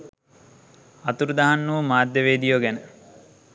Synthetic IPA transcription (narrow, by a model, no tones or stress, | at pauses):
ɐt̪uɾud̪aɦanːuʋmaːd̪ːeʋeːd̪ijoːɡænə